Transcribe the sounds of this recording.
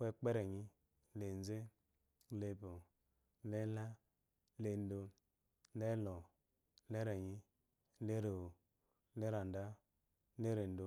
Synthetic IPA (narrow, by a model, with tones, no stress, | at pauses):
we˦k͡pe˦ɾe˨ɲi˦ | le˨n˦ze˦ | le˧bo˨˦ | le˦la˦ | le˧n̩˦do˧˦ | le˦lɔ˨˦ | le˦ɾe˨ɲi˦ | le˦ɾe˨o˨˦ | le˦ɾa˨n˨da˦ | le˦ɾe˨n̩˦do˨